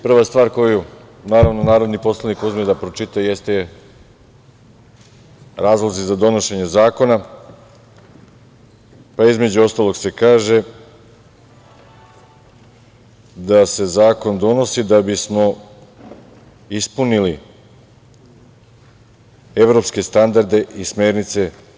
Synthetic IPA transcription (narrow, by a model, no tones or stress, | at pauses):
pr̩ʋast̪ʋaːɾko̞ju | naːɾavnonaːɾo̞d̪nipo̞slˠanikuzmijd̪apɾot͡ʃit̪ajje̞st̪e | ɾaːzlˠozizad̪o̞no̞ʃe̞ɲe̞zaːko̞na | paizme̞d͡ʑuo̞st̪aːlˠo̞ɡse̞kaːʒe̞ | d̪ase̞zaːko̞nd̪o̞no̞sid̪abismo̞ | ispunili | e̞ʋɾo̞pske̞st̪and̪aɾd̪e̞ʔisme̞ːɾnit̪se̞